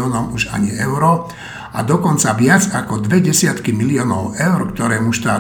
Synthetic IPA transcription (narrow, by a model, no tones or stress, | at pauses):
ɔːnɔmuʒa̰ɲiɛʊɾɔ | a̰d̪ɔkɔnt͡saʋɪad͡zakɔd̪ʋɛɟɛsɪat̪kimilɪɔːnɔʊɛʊɾkt̪ɔɾɛːmuʃt̪aː